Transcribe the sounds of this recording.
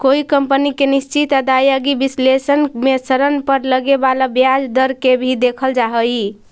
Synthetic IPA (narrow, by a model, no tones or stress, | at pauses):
koikəmpənikenist͡ʃit̪ad̪ajəɡibislesənmesəɾənpəɾləɡebalabjad͡ʒd̪əɾkebʱid̪ekʰəld͡ʒaɦəji